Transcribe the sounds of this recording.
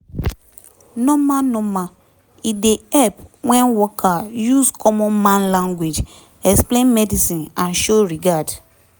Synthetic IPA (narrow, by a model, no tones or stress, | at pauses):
nɔ̃mãnɔ̃mã | ideɛpwɛ̃nwɔkʰajuskʰɔmɔ̃nmãnlãŋɡwed͡ʒ | ɛksplẽnmɛdisĩnãnʃoɹiɡad